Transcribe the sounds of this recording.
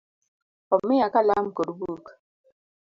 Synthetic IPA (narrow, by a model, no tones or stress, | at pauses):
ɔmːijakalam̩koɾbuːk